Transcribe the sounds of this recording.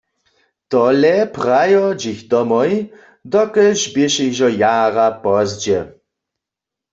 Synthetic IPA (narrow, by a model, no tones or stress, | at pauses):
t̪ɔlɛpʁajɔd͡ʒixd̪ɔmɔj | d̪ɔkəʒbɪʃɛxʒɔjaːʁapɔzd͡ʑɛ